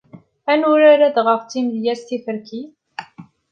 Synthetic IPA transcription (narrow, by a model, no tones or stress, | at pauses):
ænʊɾæɾæðʁəft͡s̪imðjæsθifəɾki